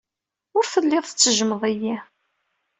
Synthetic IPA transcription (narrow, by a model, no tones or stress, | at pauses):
ʊɾfəlːɪðˤθət͡sːəʒəməðˤæji